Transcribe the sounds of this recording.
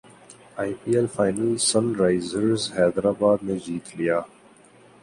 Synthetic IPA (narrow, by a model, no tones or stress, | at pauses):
aɪpiːɛlfaːɪnəlsə̃nɾaɪzəɾzhɛːd̪ɾaːbaːd̪mẽd͡ʒiːt̪ʰlijaː